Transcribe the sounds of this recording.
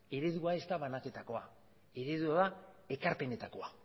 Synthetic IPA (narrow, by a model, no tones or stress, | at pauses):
e̞ɾe̞ðuae̞st̪aβanake̞t̪ako̞a | e̞ɾe̞ðuaðae̞kaɾpe̞ne̞t̪ako̞a